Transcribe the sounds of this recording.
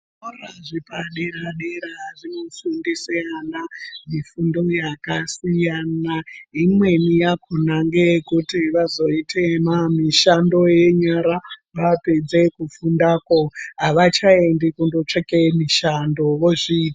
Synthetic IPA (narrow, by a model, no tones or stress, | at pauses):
oraʐipaɗeɾaɗeɾaʐinofundisijanamifundo̞jakasijanaimwe̞nijakʰonaŋɡekutiʋazo̞itʰemamiʃando̞je̞ɲaɾaʋape̞d͡ze̞kufundakoɦaʋat͡ʃae̞ndikundot͡ʂekemiʃandoʋoʐiːt